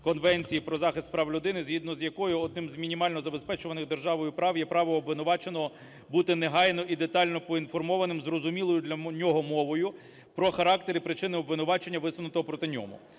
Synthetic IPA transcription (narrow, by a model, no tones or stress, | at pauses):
kɔnʋɛnʲt͡sʲijipɾɔzɑxɪst̪̚pɾɑʋlʲʊd̪ɪnɪzɦid̪nɔzjɐkɔjʊɔd̪nɪmzmʲinʲimɑlʲnɔzɐbe̞spɛt͡ʃʊʋɐnɪɣd̪e̞rʒɑʋɔjʊpɾɑwjɛpɾɑʋɔɔbʋɪnʊʋɑt͡ʃenɔɦɔ | but̪ɪneɦɑjnɔʔid̪e̞t̪ɑlʲnɔpɔinfɔrmɔʋɐnɪmzrɔzʊmʲilˠɔjʊd̪lʲɐnʲɔɦɔmɔʋɔjʊ | pɾɔxɐɾɑkt̪eɾɪpɾɪt͡ʃɪnɪɔbʋɪnʊʋɑt͡ʃenʲːɐʋɪsʊnʊt̪ɔɦɔpɾɔt̪ɪnʲɔ̰mʊ̰